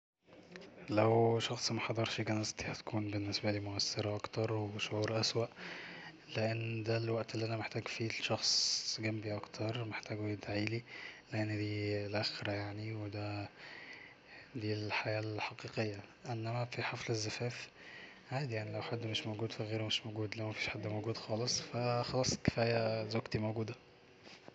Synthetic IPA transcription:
læwʃɑxsˤmæħɑd̪ˤɑɾˤʃiɡænæst̪i̥hæt̪kʰuːnbenːesbæliːmoʔæsːeɾɑʔɑkt̪ɑɾˤweʃoʕuːɾʔæswæʔ | leʔenːd̪ælwæʔt̪ʔelːiʔænæmeħt̪æːɡfiːʃɑxsˤɡæmbiʔɑkt̪ʰɑɾˤmeħt̪æːɡwjed̪ʕiːlileʔenːd̪iːlʔæxɾæjaʕniwed̪æ | d̪iːlħajæːlħɑqiːqejːæʔenːæmæfiħɑflezːæfæːf | ʕaːd̪ijaʕnilæwħad̪ːmeʃmowɡuːd̪fæɣeːɾemeʃmoɡuːd̪læmæfiːʃħad̪ːmowɡuːd̪xɑːlesˤfæxɑlɑːsˤke̥fæːjæzoɡt̪imowɡuːd̪æ

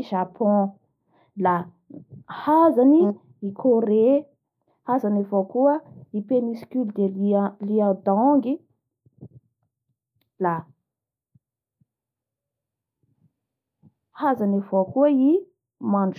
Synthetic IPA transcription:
ʒapʰɔ̃ | la | hazani | ikʰoɾe | hazanavokuəipeniskʲyld̪eliad̪ɔŋɡi | la | hazanavokuəi | maɳɖ͡ʐ

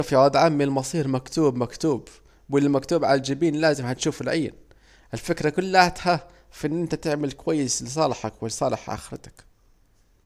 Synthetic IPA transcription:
fiʕaːd̪ʕamːɪlmɑsˤiːɾmakt̪uːbmakt̪uːb | wɪlːmakt̪uːbʕalald͡ʒɪbiːnlaːzɪmhat̪ʃuːfɪlʕijːɪ̰n | ʔɪlfɪkɾakʊlːaʕt̪ha | fʔɪnːʔɪnt̪at̪ɪʕmɪlkʊwajːɪslɪsˤɑːlħakwɪlɪsˤɑːlɪħʔa̰xɪɾt̪ḁk

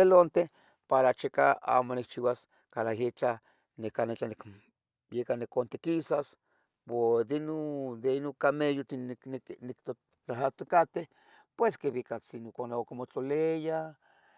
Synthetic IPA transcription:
elont̪eh | paɾat͡ʃekaa̰ːmonik̚t͡ʃiwas | kalahit͡ɬa | nekanet͡ɬanik | jekanikont̪ekisas | wod̪enod̪enokamejot̪innikt̪o | t͡ɬaɦat̪okat̪eh | pweskeβikat͡sinokonaokimot͡ɬoleja

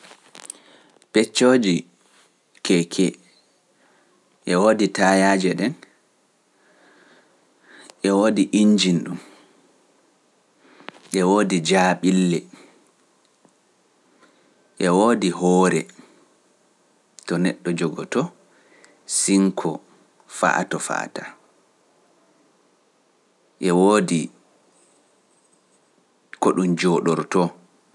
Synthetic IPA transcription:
pɛt͡ʃːoːd͡ʒi | kʰɛkʰɛ | ʔɛwoːditajad͡ʒɛɗɛn | ʔɛwoːdiʔiɲd͡ʒinɗum | ʔɛwoːdid͡ʒaɓilːɛ | ʔɛwoːdiɦɔːɾɛ | tɔnɛ̰ɗːɔd͡ʒɔɡɔtɔ | siŋkʰɔ | fa̰tɔfa̰ta | ʔɛwoːdi | kɔɗumd͡ʒɔːɗɔɾtɔ

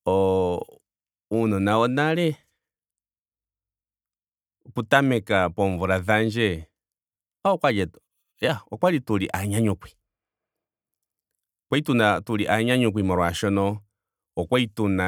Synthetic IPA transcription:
ɔ | unɔnaɔnaɾɛ | kutamɛkapɔɱvuɾaðand͡ʒɛ | aɔkwad͡ʒɛ | jaɔkwaɾituɾiʔaɲaɲukwi̥ | kwaitunatuɾiʔaɲaɲuk̬ʷimɔɾɔaʃɔnɔ | ɔkwaituna

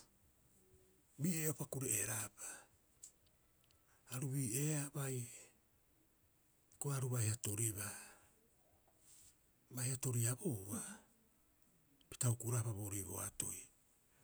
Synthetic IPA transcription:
biːeopakuɾeeɾapḁ | ɾuβiːeabaj | koaɾuβahiato̞ɾiβa | bahiato̞ɾiaboβa | pi̥taukuɾapaβo̞ɾiβo̞̰a̰to̰j

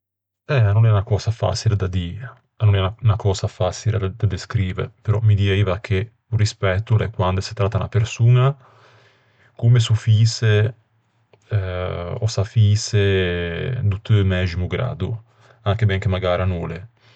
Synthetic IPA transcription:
ɛanːonɛnakɔːsafa̰t͡ʃiled̪ad̪iː | anːonɛunakɔːsafat͡ʃiled̪ad̪eskɾiːveɾpeɾɔmid̪iɛiːvakʰe | urispɛt̪ːulɛkwand̪ese̥t̪ɾat̪ːana̰peɾsuːna | kumes̬ufiːse | ɛɔ̰safiːse | d̪ut̪ømɛːzimuɡɾa̰ːd̪ṵ | aŋkebɛŋk̟emaɡaːɾanuːle

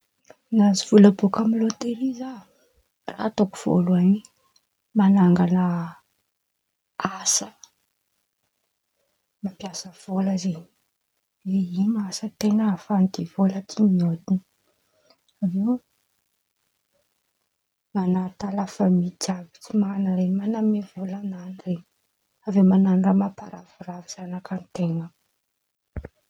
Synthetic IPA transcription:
naziv̥uləbokamilot̪eɾiza | ra̰t̪oku̥v̥o̰luani | manaŋɡanə | asə̥ | mapjasəv̥oləzeɲ | zeinasət̪enəfand̪evolət̪imiod̪ini | ave | manaɾit̪alafəmit͡savi̥t͡simanəɾenmanamevolananireɲ | avemananiramapaɾavuraviz̥anakanit̪eŋə

